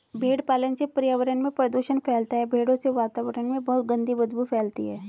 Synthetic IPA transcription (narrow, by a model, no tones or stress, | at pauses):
bʱeːɽpaːlənsepɾijaːʋəɾənmẽpɾəd̪uʃənpʰɛːlt̪aɦɛbʱeːɽõseʋaːt̪aːʋəɾənmẽbɐɦʊt̪̚ɡə̃nd̪ʱibɐd̪bufʰɛːlt̪iɦɛː